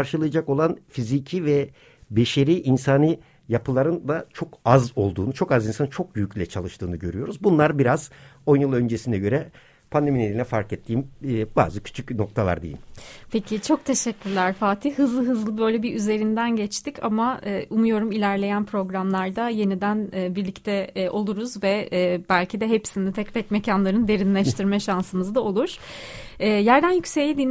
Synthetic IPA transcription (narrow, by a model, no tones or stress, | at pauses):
aɾʃɯlˠɯjad͡ʒako̞lˠanfizicʰivɛ | beʃeɾiːʔinsanɯ | japʰɯlˠaɾɯnd̪at͡ʃʰo̞kazo̞lˠd̪uːnut͡ʃʰo̞kazinsanɯt͡ʃʰo̞k̚byjyclʲɛt͡ʃʰalˠɯʃt̪ɯːnɯɟø̞ɾyjo̞ɾuzbunlˠaɾbiɾazo̞njɯlˠø̞nd͡ʒesinɛɟø̞ɾɛ | pʰand̪e̞mined̪ilʲɛfaɾkɛt̪ʰːiːmːba̰ːzɯcʰy̥t͡ʃʰycno̞k̚t̪ʰalˠa̰ɾd̪ḛjimpʰe̞cʰit͡ʃʰo̞k̚t̪ʰe̞ʃɛcʰʲːyɾlʲæɾ̥faːt̪ʰihhɯzlˠɯɦɯzlˠɯbø̞jlʲɛbiʔyze̞ɾind̪ænɟɛt͡ʃt̪icʰa̰maːʔumujo̞ɾumilʲæɾlʲe̞jænpʰɾo̞ɡɾamlˠaɾd̪aje̞nid̪ænɛbiɾlʲict̪ʰɛʔo̞lˠuɾuzvɛbælʲcʰid̪ɛɦe̞psinit̪ʰɛc̚pʰɛcmecʰanlˠaɾɯnd̪e̞ɾinlʲɛʃt̪ʰiɾmɛʃansɯmɯzd̪ao̞lˠuɾ̥ɛːjæɾd̪ænjycse̞jlʲid̪in